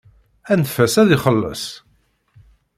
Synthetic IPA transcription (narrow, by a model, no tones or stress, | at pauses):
ænfæsæðiχəlːə̰sˤ